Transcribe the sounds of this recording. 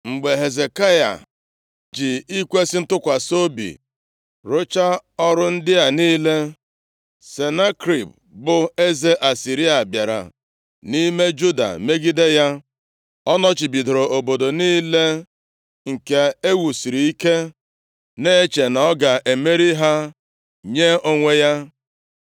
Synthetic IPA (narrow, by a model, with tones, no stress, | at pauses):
ŋ͡m̩˨ɡ͡be˨ɦe˨ze˨ka˦ja̰˨ | d͡ʒɪ˨i˦kʷe˦sɪ˦n̩˦tʊ˦kʷa˨so˦bḭ˨ | ɾo˦t͡ʃa˦ɔ˦ɾʊ˦n̩˦dɪ˦a˨niː˦le˦ | se˨na˦kɾi˨p̚ | bʊ˨e˦ze˦ʔa˨si˨ɾi˦a˨bja˨ɾa̰˨ | ni˦me˦d͡ʒu˦da̰˨me˦ɡi˦de˦ja˦ | ɔ˦nɔ˦t͡ʃi˨bi˨do˨ɾo˨ʔo˨bo˨do˨niː˦le˦ | ŋ̩˨ke˨e˦wu˨si˨ɾi˨i˦ke˦ | ne˦e˦t͡ʃe˨nɔ˨˦ɡa˨ʔe˨me˦ɾi˦ɦa˦ | ɲe˦o˦ŋʷe˦ja˦